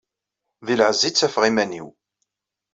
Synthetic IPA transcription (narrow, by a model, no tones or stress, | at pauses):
ðilʕəzːit͡sːæfʁimænḭw